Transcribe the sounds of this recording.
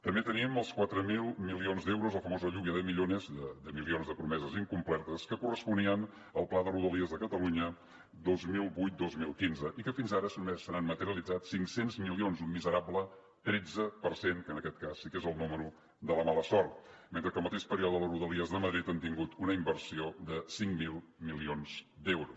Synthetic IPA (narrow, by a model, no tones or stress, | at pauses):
t̪əmbet̪əniəməlˠskwat̪ɾəmilˠmilionzd̪ɛwɾuzləfəmozəʎuβiəðəmiʎonəzðəd̪əmilionzðəpɾumɛzəziŋkumplɛɾt̪əskəkurəspuniən | əlˠplaðəruðəliəzðəkət̪əluɲə | d̪ozmilˠbujt̪̚d̪ozmilˠkinzəʔikəfinzaɾəsmesːəɾanmət̪əɾiəlˠid͡zatsiŋksenzmilionzunmizəɾablə | t̪ɾed͡zəpəɾsenkənəkɛt̪̚kasːikezəlˠnuməɾu | d̪ələmaləsɔɾt̪̚ment̪ɾəkəlˠmət̪eʃpəɾiɔðəðələruðəliəzðəməðɾit̪ənt̪iŋɡut̪unəimbərsioðəsiŋmilˠ | milionzd̪ɛwɾus